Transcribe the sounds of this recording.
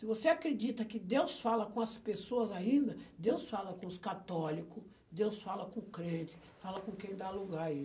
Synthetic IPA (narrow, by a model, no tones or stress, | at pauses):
sɪvoseakɾed͡ʒit̪ɐkɪd̪ewsfalɐkõɐspesoɐzaĩnd̪ɐd̪ewsfalɐkõʊskat̪ɔlikʊ | d̪ewsfalɐkõʊkɾẽt͡ʃɪ̥ | falɐkõkẽj̃d̪aluɡaɾi